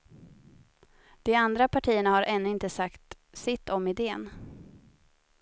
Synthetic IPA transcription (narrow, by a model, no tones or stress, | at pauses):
d̪̥ɛand̪ɾapʰaʈʰiːəɳahaɾʔɛnːɵɪnt̪əsakt̪ | sɪt̪ːɔmɪd̪eːən